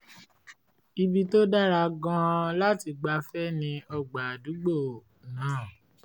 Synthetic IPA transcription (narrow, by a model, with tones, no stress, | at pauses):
i˧bi˧to˦da˦ɾa˧ɡã˧la˦ti˧ɡ͡ba˧fɛ˦nĩ˧ɔ˧ɡ͡ba˨du˨˦ɡ͡bo˦˨ | nãː˨˦˨